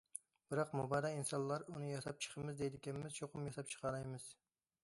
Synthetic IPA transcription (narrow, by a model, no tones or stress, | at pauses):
b̥ɪɾɑqmʊbɑd̪ɑinsɑnˠlˠɑɾunɪjɑsɑp̚t͡ʃʰə̥qʰəmɪzd̪ejd̪ɪɡʲɛnmɪz̥t͡ʃʰoqʰʊmjɑsɑp̚t͡ʃʰə̥qʰɑɾɑjmɪz̥